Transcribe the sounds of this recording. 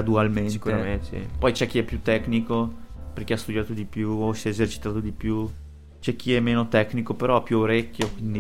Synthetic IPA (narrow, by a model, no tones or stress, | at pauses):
ad̪ualmentueɾaeḭpɔjt͡ʃɛk̟ːiɛpːjut̪ːɛknikoperk̟east̪ud̪jaːt̪od̪ipjuosɛezert͡ʃi̥t̪aːt̪od̪ipju | t͡ʃɛk̟ːiɛmːeːnot̪ɛkːnikopeɾɔɛpːjuoɾekʲːjokwind̪i